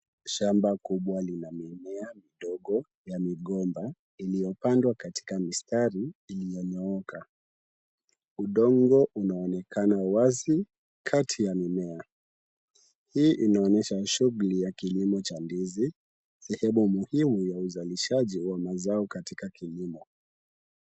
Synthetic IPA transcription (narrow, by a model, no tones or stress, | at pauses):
ʃambakuɓwalinamimɛamiɗɔɠɔ | jamiɠɔmba | ilijɔpandwakati̥kamistaɾiːlijɔɲɔɔkʰa | uɗɔŋɡɔʔunaɔnɛkʰanawazi | kʰatʰijamimɛa | hiːʔinaɔɲɛʃaʃuɣulijakilimɔt͡ʃandizi | sɛhɛmumuhimujauzaliʃaʄiwamazaɔkatikakilimɔ